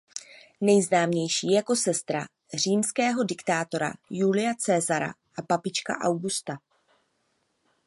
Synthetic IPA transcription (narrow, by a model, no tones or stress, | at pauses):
nɛjznaːmɲɛjʃiːjako̞sɛst̪ɾa̰ | r̝iːmskɛːɦo̞dɪkt̪aːt̪o̞ɾa̰julɪjat͡sɛːzaɾa̰ | ʔapapɪt͡ʃka̰ʔawɡust̪a